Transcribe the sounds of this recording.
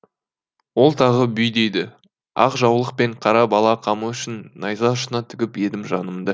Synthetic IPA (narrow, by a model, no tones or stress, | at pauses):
wo̞lˠt̪ʰɑʁəbʏjd̪ejd̪ɪ | ɑ̰qʒɑwlˠəq̚pe̞ɴqʰɑɾɑbɑlˠɑqʰɑməʏʃɪnːɑjzɑʃənɑt̪ʰɪɡʲɪpje̞d̪ɪmʒɑnəmd̪ə